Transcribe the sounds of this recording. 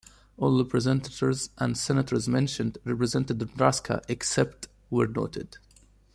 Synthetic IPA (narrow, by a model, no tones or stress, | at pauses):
ɔlˠɹɛpʰɹəzɛ̃ntətʰəɹzʔæ̃ndsɛnətʰəɹzmɛ̃nʃə̃ndɹɛpɹɨzɛ̃ntədɹaskʰa̰ʔɛksɛp̚t | wəɹno̰ːtʰɪd̥